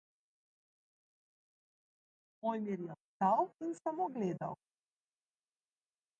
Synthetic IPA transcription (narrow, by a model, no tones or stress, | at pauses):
ɔjmiɾjɛst̪awinsamoɡleːd̪a̰w